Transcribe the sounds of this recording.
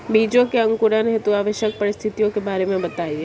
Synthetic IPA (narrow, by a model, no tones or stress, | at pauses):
bid͡ʒokeə̃ŋkuɾanɦet̪uaʋəʃjək̚pəɾɪst̪ʰit̪ijokebaɾemãbət̪aie